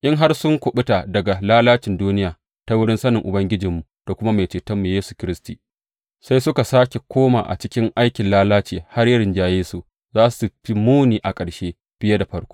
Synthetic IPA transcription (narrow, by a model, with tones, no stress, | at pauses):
ʔɪ˦ŋɦa˦rsʊ˦ŋkʷʊ˨ɓʊ˦ta˨dɐ˨ɡa˨laː˦laː˦t͡ʃɪ˨nduː˦nɪ˦jaː˨ | ta˦wʊ˦ɽɪ˦nsɐ˦nɪ˨ŋʔʊ˨bɐ˦ŋɡʲɪ˦d͡ʒɪ˨mːu˨d̥a˨kʷʊ˦ma˦ma˨t͡ʃeː˨tɐ˦mːu˨jeː˦su̥˨kʲɪ˦ɾɪ˦stiː˨ | sa˦jsʊ˦ka˨saː˦kʲe˨kʷʰoː˦ma̰ː˨ʔa̰˨t͡ʃɪ˦kʲɪ˦ŋʔa˦jkʲɪ˨nlaː˦laː˦t͡ʃiː˨ha˦rjɐ˦ɽɪ˨nd͡ʒaː˨jeː˦su˨ | zaː˦su̥˨su˨ɸi˦muː˦niː˨ʔa˨kʼɐ˨ɽʃeː˦ | ɸɪ˦ja˦da˨ɸɐ˦ɽkʷo̥ː˦